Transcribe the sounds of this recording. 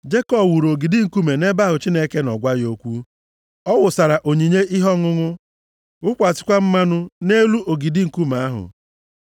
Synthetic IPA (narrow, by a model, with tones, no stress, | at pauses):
d͡ʒe˦kɔ˦bwu˨ɾo˨ɡi˨di˦ŋ̩˨ku˦me˨ne˦ba˦ɦʊ˨t͡ʃi˦ne˦ke˦nɔ˨ɡʷa˦ɣjo˦kʷu˦ | ɔ˦wʊ˨sa˨ɾa˨ʔo˨ɲi˨ɲe˦ʔɪ˦ɦɔ˦ŋʊ˦ŋʊ˦ | ʊ˦kʷa˨sɪ̥˦kʷa˦m̩˦ma˦nʊ˦ne˦lu˦ʔo˨ɡi˨di˦ŋ̩˨ku˦ma˨a˦ɦʊ̰˨